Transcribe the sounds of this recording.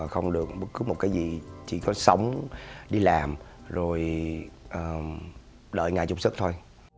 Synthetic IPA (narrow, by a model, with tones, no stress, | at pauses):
xə˧wŋ͡mɗɨ˨˩ək̚ɓə˦˥tk̚ːɨ˨˦mo˨˩t̚kaː˨˦jzi˨˩t͡ɕḭ˧˩kɔ˨˦sə˨˦wŋ͡mɗi˧laː˨˩mzo˨˩jʔəː˨˩ | ɗə̰ː˧˨˩jŋaː˨˩jt͡ɕʊ˨˧˩ŋ͡m̚sɨ˦˥k̚t̪ʰo˧j